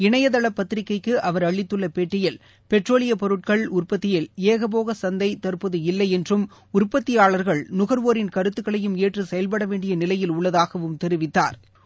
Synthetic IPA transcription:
ɪɳɐjɐðɐɭɐpːɐt̪ːɪɾɪkːɐɪkːɯʔɐʋɐɾɐɭːɪt̪ːɯɭːɐpeːʈːɪjɪl | pɛʈroːlɪjɐpɔɾɯʈ̚kɐɭʊrpɐt̪ːɪjɪleːɣɐp̬oːɣɐsɐnd̪ɐɪt̪ɐɾpɐðɯɪlːɐɪɛndrɯm | ʊrpɐt̪ːɪjaːɭɐɾɣɐɭnʊɣɐɾʋoːɾɪnkɐɾɯt̪ːɯkːɐɭɐjɯmeːʈrɯsɛjɐlp̬ɐɽɐʋeːɳɖɪjɐnɪlɐjɪlʊɭːɐðaːɣɐʋɯmt̪ɛɾɪʋɪt̪ːa̰ːɾ

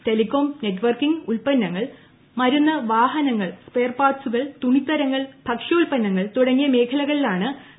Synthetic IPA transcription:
te̞likːo̞ːmne̞ʈːʋɐrkiŋɡulpɐnːɐŋːɐɭ | mɐɾunːɐʋaːɦɐnɐŋːɐɭspe̞ːrpaːsuɣɐɭt̪uɳit̪ːɐɾɐŋːɐɭbʱɐkʂɐulpɐnːɐŋːɐɭt̪uɽɐŋːijɐme̞ːkʰɐlɐɣɐɭilaːɳɨ

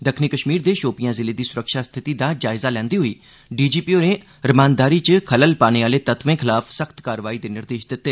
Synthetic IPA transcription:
d̪əkʰniːkəʃmiːɾd̪eːʃoːpɪjãːzɪleːd̪iːsʊɾəkʃaːst̪ʰɪt̪iːd̪aːd͡ʒaːɪzaːlɛ̃ːnd̪iːɦʊḭː | ɖiːd͡ʒiːpiːoːnẽː | ɾəmãːnd̪aːɾiːt͡ʃəkʰələlpaːneːaːleːt̪ət̪ʋẽːkʰɪlaːfʰsəkʰt̪kaːɾʋaːiːd̪eːnɪɾd̪eːʃd̪ɪt̪ːeː

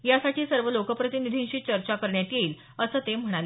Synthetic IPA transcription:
jasaʈiːsəɾʋəlokəpɾət̪inid̪ʱĩnɕiːt͡ɕəɾt͡ɕakəɾɳjat̪jeiːl | əsəːt̪em̤əɽ̃ale

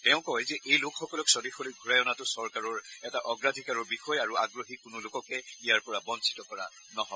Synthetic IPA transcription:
tɛʊ̃kɔjzɛʔejlʊkxɔkɔlɔksɔdixoliɡʱuɹajɔnatʊsɔɹkaɹɔɹɛtaʔɔɡɹadʱikaɹɔɹbixɔjaɹuaɡɹoɦikʊnʊlʊkɔkɛijaɹpɔɹabɔnsi̥tɔkɔɹa̰ | nɔɦɔ

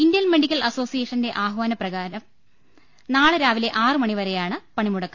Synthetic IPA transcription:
ind̪ijɐnmeɖikʲːɐlɐso̞ːsijeːʂɐnɨde̞ʔaːɦʋaːnɐprɐɣaːɾɐm | naːɭɨɾaːʋile̞ʔaːrɨmɐɳiʋɐɾejaːɳɨpɐɳimuɽɐkːɐ

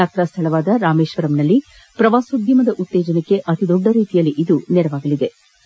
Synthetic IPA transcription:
aːt̪ɾast̪ʰɐɭɐʋaːd̪ɐɾaːmeːʃʋɐɾɐmnɐlːi | pɾɐʋaːsud̪jɐmɐd̪ɐʔut̪ːɛːd͡ʒɐnekːe̞ʔɐt̪id̪ɔɖːɐɾiːt̪ijɐlːiʔid̪unɛɾɐʋaːɡɐlid̪e̞

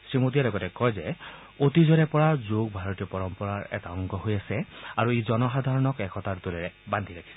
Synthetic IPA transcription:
sɹimot̬ijalɔɡɔtɛkɔjzɛ | otizɔnɛpɔɹazoɡ̚bʱaɹɔtijɔpɔɹɔmpɔɹaɹɛ̰taɔŋɡɔɦojasɛaɹuezɔnɔxadʱaɹɔnɔkɛkʰɔtattolɛɹɛbandʱiɹakʰi̥sɛ

